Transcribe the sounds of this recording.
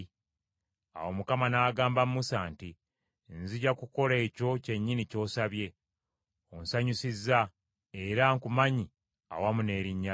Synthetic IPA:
a̰wo̞mukamanaːɡaːmbamusanti | nziɟakuko̞le̞ːco̞ce̞ɲːinico̞ːsaβje̞ | onsaɲusizːa | eɾaŋkumaɲi | a̰wamune̞ːɾiɲːa

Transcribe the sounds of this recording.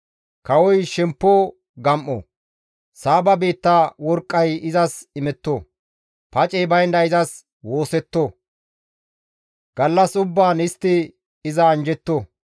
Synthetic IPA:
kɐwɔjʃɛmpːo | ɡɐmʔːɔ̰ | saːbɐbeːt̪ːawɔɾkʼːɐjɪzɐsɪmɛt̪ːo | pɐt͡ʃʼɛːbɐjnd̪ɐɪzɐs | wo̞ːsɛt̪ːo | ɡ̥ɐlːɐsʊbːaːnɪst̪ːɪ | ɪzɐːnd͡ʒɛt̪ːo

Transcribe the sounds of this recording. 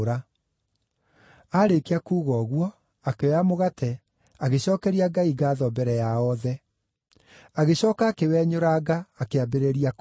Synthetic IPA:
ɾa | aɾekeakuːɣɔɣwɔ | akewɛamoɣatʰɛ | aɣeɕɔːkɛɾiaɡaiɡaːðɔbɛɾɛjaɔðɛ | aɣeɕɔːkaːkewɛɲoɾaːɡaːkeabeɾeɾiak

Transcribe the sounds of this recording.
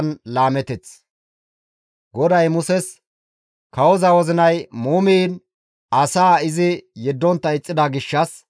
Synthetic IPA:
nlaːmɛt̪ɛt͡s | ɡɔd̪ɐjmʊsɛs | kɐwɔzɐwɔzɪnɐjmuːmiːn | ɐsaːɪzɪjɛd̪ːɔnt̪ːɐɪt͡sʼːɪd̪ɐɡɪʃːɐs

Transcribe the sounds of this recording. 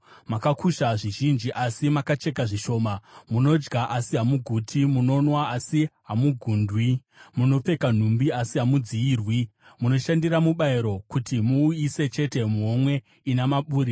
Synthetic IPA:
makakʰuʃaʐiʒind͡ʒiʔasimakat͡ʃe̞kaʐiʃo̞ːmamuno̞d͡ʒɡaʔasiɦamuɡʱutʰimuno̞nwaasiɦamuɡʱuːndʱwi | muno̞p͡fe̞kan̤umbiasiɦamud͡ziiːrwi | muno̞ʃandiramuɓaiɾo̞kutimuːjise̞t͡ʃe̞te̞muɦomwe̞ | inamaɓuːɾi

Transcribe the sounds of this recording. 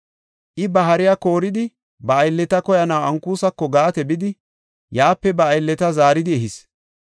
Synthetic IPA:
ʔɪbɐɦɐɾɪjako̞ːɾɪd̪ɪ | bɐːjlːɛt̪ɐkɔjɐnɐwɐŋkuːsɐkːɔɡaːt̪ɛbɪd̪ɪ | jaːpːɛbɐːjlːɛt̪ɐzaːɾɪd̪ɪɛɦɪs

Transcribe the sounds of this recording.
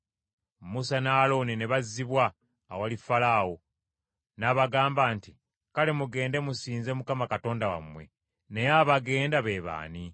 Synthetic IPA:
musanalo̞nineβazːiβwaː | walifalaːwo̞ | naːβaɡaːmbaːnti | kale̞muɡe̞ːnde̞musiːnzemukamakato̞ːndawa̰mwe̞̰ | ne̞jaβaɡe̞ːndaβe̞ːβa̰ːni

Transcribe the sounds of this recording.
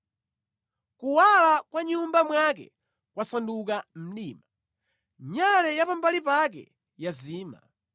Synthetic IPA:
kuwalakwaɲumbamwak̬ɛ̰ | kwasandukam̩ɗiːma | ɲalɛjapambalipak̬ɛ̰ | jaziːma̰

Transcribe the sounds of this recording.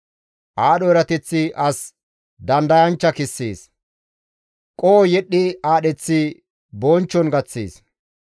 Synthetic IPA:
ʔaːɗɔɛɾɐt̪ɛt͡sːɪʔɐs | d̪ɐnd̪ɐjɐnt͡ʃːɐkɪsːḛːs | kʼoːjɛɗːɪaːɗɛt͡sːɪ | boːnt͡ʃːɔnɡɐt͡sːḛːs

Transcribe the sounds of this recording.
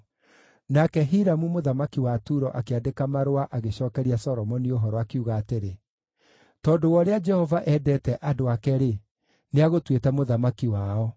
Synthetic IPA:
nakɛɦiɾamumoðamakiwatuɾɔʔakeadekamaɾowaʔaɣeɕɔːkɛɾiasɔɾɔmɔnioɦɔɾɔakeuɣaːteɾe | tɔːdowɔɾead͡ʒɛhɔvaʔɛːdɛtɛʔadoakɛɾe | neaɣotwetɛmoðamakiwaɔ

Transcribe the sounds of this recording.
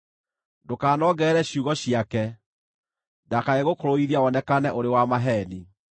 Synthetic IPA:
dokaːnɔɡɛɾɛɕuɣɔɕiakɛ | dakaeɣokoɾoiɾiaɔnɛkanɛʔoɾewamaɦɛni

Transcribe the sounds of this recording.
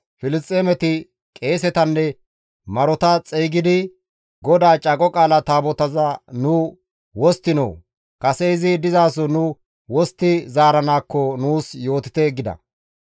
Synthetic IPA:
fɪlɪst̪ʼeːmɛt̪ɪ | kʼe̞ːsɛt̪ɐnːɛ | mɐɾɔt̪ɐt͡sʼeːɡɪd̪ɪ | ɡɔd̪aːt͡ʃʼɐɡɔkʼaːlɐt̪aːbɔt̪ɐzɐnʊ | wɔst̪ːɪnɔ̰w | kɐsɛɪzɪd̪ɪzaːs̬ɔnʊ | wɔst̪ːɪzaːɾɐnaːkːɔnuːsjo̞ːt̪ɪ̥t̪ɛɡːɪd̪ɐ̰

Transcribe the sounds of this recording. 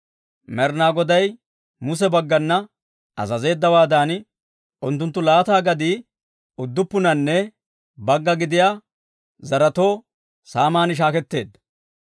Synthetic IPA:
mɛɾnaːɡɔd̪ɐj | mʊs̬ɛbɐɡːɐnːɐ | ɐ̰zɐze̞ːd̪ːɐwaːd̪aːn | ʔʊnt̪ːʊnt̪ːʊlaːt̪aːɡɐd̪iː | ʊd̪ːʊpːʊnɐnːɛ | bɐɡːɐɡɪd̪ɪjaː | zɐɾɐt̪o̞ː | saːmaːnɪʃ̬aːkɛt̪ːe̞ːd̪ːɐ̥

